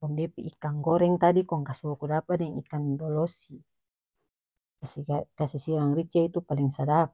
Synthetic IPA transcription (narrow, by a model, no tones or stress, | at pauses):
kɔŋdɛpɛʔikaŋɡɔɾɛŋt̪adikɔŋkasɛbɔkudapadɛŋḭkandɔlɔsi | kasɛkasɛsiɾaŋrit͡ʃait̪upaliŋsadap